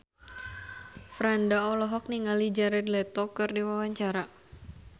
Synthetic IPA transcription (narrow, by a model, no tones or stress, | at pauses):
fɾandaɔlɔɦɔk̚niŋalid͡ʒaɾɛdlɛt̪ɔkɨrdiwawaɲt͡ʃaɾa